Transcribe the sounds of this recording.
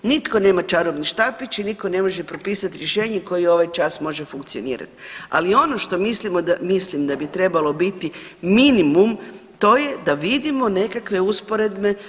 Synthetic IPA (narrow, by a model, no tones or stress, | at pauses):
nit̪ko̞ne̞ːmat͡ʃaɾobniʃt̪apit͡ʃiniko̞ne̞mo̞ʒepɾo̞piːsat̪iɾje̞ʃe̞ːɲeko̞jio̞ʋajt͡ʃasmo̞ʒe̞fuŋkt̪sio̞nḭːɾa̰t̪i̥a̰lio̞no̞ʃt̪o̞mislimod̪mislimd̪abit̪ɾe̞balo̞bit̪iminimumt̪o̞je̞d̪aʋid̪imo̞ne̞kakʋe̞uspo̞ɾe̞d̪me